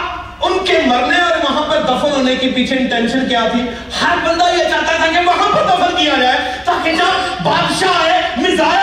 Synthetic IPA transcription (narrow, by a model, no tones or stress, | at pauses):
ʊnkʰemɐɾneɔːɾʋɐɦãpɐɾd̪ɐfəlɦõːnekipiːt͡ʃʰenʈɛːnʃənkɪjaːt̪ʰiː | hɐɾbɐ̃nd̪aiɐt͡ʃãːt̪ãt̪ːɡeʋɐɦãpɐɾd̪ɐfəlkijaɾaːe | t̪aːkɪnãbʱaːd̪ʃaɦemɪzaː